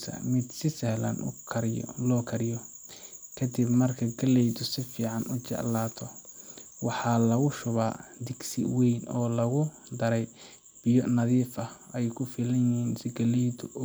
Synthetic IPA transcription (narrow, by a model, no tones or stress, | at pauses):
sɐ̰mɪd̪sɪsɛhlɐ̰nʊ̰kʰɐɾ̰lɔːkʰɐɾɪjɔ | kʰɐd̪ɪbmɐrkʰɐɡɐlɛjd̪ʊsɪfiːʕɑnʊt͡ʃɛ̰ʕlaːt̪ʰɔ | wɑħɑlɐɣʊʃʊβaːd̪ɪɡsɪ̰wɛjnɔːlɐɣʊ | d̪ɐɾɛj | b̥ɪjɔnɐðiːfɐɛjkʰʊfiːlɐjɪhiːnsɪɡɐlɛjd̪ʊ